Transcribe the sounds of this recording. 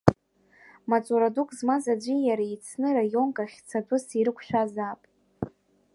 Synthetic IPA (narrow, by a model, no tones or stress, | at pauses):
mat͡sʷʼuɾadukʼzmazad͡ʒʷijaɾait͡sʰnɨrajo̞nkʼaχʲt͡sʰadʷʼʊsiɾɨkʷʰʃᶣazapʼ